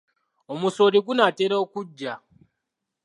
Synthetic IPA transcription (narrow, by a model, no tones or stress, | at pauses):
omusoːɾiɡunateɾaokud͡ʒːa